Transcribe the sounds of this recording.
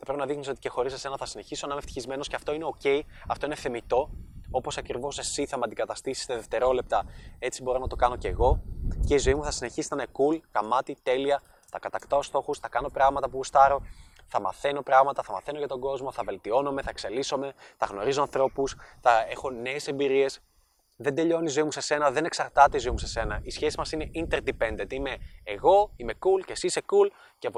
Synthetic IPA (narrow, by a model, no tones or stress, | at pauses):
θɐpɾepinɐðixniso̞t̪i̥ce̞xo̞ɾisɐse̞nɐθɐsine̞çisonɐmeft̪i̥çizme̞nosceɐft̪o̞ineo̞ce̞iɐft̪o̞ine̞θe̞mit̪o̞o̞po̞sɐkɾivo̞se̞siθɐmeɐnd̪iɡɐt̪ɐst̪isi̥st̪eðe̞ft̪e̞ɾo̞le̞p̚t̪ɐe̞t͡sibo̞ɾo̞nɐt̪o̞kɐno̞ce̞ɣo̞ce̞izo̞imuθɐsine̞çisi̥t̪ɐnekulɣɐmɐt̪it̪e̞liɐ | t̪ɐkɐt̪ɐkt̪aost̪o̞xusθɐkɐno̞pɾɐɣmɐt̪ɐpust̪ɐɾo̞ | θɐmɐ̰θe̞no̞pɾɐɣmɐt̪ɐθɐmɐθe̞noʝɐt̪o̞ɡo̞zmo̞θɐve̞lt̪io̞nome̞θɐekse̞liso̞me̞θɐɣno̞ɾizo̞ɐnθɾo̞pusθɐe̞xo̞ne̞ːse̞mbiɾie̞s | ðend̪eʎo̞nizo̞imuse̞se̞nɐðe̞ne̞ksɐɾt̪ɐt̪eizo̞imuse̞se̞nɐisçe̞sizmɐsine̞ʔint̪e̞ɾd̪ipend̪et̪ime̞ːɣo̞ime̞kulce̞sisekul | ceɐpo